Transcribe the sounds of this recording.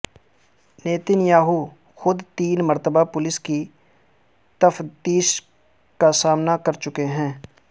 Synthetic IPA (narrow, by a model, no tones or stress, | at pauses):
neːt̪ɪnjaːɦu | xʊd̪t̪iːnməɾt̪əbapʊlɪski | t̪əft̪iːʃ | kasaːmnakɐɾt͡ʃʊkeɦɛ̃ː